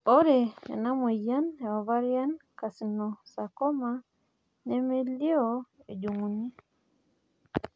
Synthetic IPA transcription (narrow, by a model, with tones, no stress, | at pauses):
ɔ˦ɾḛː˨na˦mwe˨ja˦ne˨ɔ˨βa˦ɾja˦nka˨si˨nɔ˨sa˨kɔ˦ma˨ | nɛ˦me˦li˦ɔ˦e˨d͡ʒu˨ŋu˨ni˦